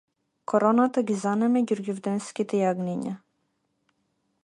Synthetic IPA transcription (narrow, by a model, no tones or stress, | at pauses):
kɔɾɔnat̪aɡizanɛmɛɟuɾɡuvd̪ɛnskit̪ɛjaɡniɲa